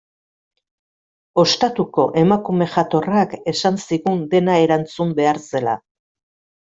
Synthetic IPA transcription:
o̞st̪at̪uko̞ʔe̞makume̞ʝat̪o̞rake̞sansiɣund̪e̞nae̞ɾant͡sumbe̞aɾse̞la̰

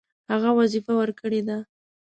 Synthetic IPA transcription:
haɣawazifawəɾkəɽed̪a

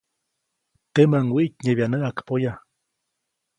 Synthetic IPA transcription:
t̪emaŋwiʔcɲeβjanəʔakpoja

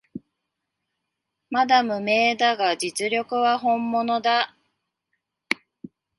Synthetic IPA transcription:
mad̪amɯ̟me̞ːd̪aɡad͡ʑit͡sɨɾʲo̞kɯ̟βaɦõ̞mːo̞no̞d̪a

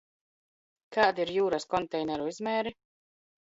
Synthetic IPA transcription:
kaːd̪iɾjuːɾaskɔnt̪ɛjnɛɾuizmɛːɾi

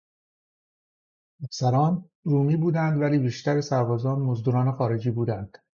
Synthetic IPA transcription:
æfsæɾɒːn | ɾuːmiːbuːd̪ænd̪væliːbiːʃt̪æɾesæɾbɒːzɒːnmozd̪uːɾɒːnexɒːɾe̞d͡ʒiːbuːd̪ænd̪̥

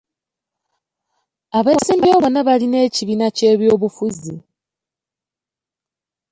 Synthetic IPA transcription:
aβeːsiːmboβonaβaline̞ciβinace̞ːβjo̞ːβufuzi

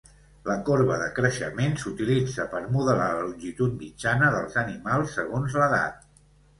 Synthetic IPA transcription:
ləkoɾβəðəkɾəʃə̰mensut̪ilid͡zəpəɾmuðəlalluʒit̪ut̪̚mid͡ʒanəðəlˠzənimalˠsːəɣ̞onzləða̰t̪̚

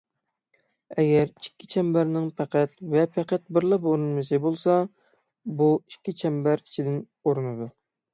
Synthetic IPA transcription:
ɛɡʲɛɾikʲʰːi̥t͡ʃʰɛmbæɾnɪŋpʰæqʰæt̪vɛpʰæqæt̪̚bɪɾlˠɑpoɾɨnmɨsɨbolˠsɑ | buikʲːit͡ʃʰɛmbæɾit͡ʃʰid̪ɪn | oɾɨnɨd̪u

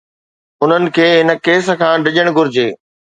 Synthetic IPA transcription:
ʊn̤ənɪ̆kʰeːɦɪnə̆keːsə̆kʰãːɖɪʄəɽ̃ɡʊɾɪd͡ʑeː

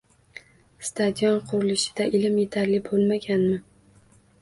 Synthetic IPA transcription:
st̪ad̪jɒnqʰʊɾɪlɪʃɪ̥d̪̥aʔɪlɪmje̞t̪ʰaɾlɪbolˠmaɡʲanmɪ

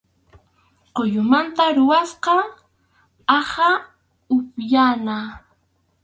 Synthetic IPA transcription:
qojʊmant̪aɾʊwasqɑ | ɑha | ʊpjana

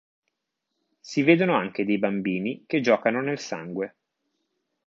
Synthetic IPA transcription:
siveːd̪onoaŋk̟ed̪ejbambiːniked͡ʒɔːkanonelsa̰ŋɡwe

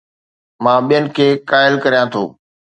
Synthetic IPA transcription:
mãːɓijənɪ̆kʰeːkaːɪlkɐɾijãt̪ʰo̰ː

